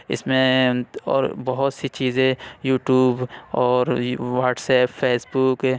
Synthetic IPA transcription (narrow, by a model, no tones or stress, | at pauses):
ɪ̰smẽɔ̰ːɾbɐɦʊt̪sit͡ʃiːzẽjuːʈjuːbɔːɾʋaːʈsɛːpfʰeːsbʊk